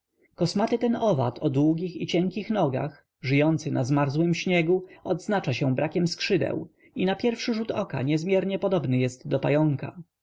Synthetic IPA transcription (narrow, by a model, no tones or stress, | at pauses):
kɔsmat̪ɘt̪ɛnɔva̰t̪ʰɔd̪wuɡʲixit͡ɕɛŋkʲixnɔɡa̰x | ʐɘjɔnt̪sɘnʔazmaɾzwɘmɕɲɛɡuɔd̪znat͡ʂaɕɛ̃bɾʔakʲɛmskʂɘd̪ɛ̰w | inapʲjɛɾfʂɘʐut̪ɔka̰ɲɛzmʲjɛɾɲɛpɔd̪ɔbnɘjɛst̪d̪ɔpajɔŋka̰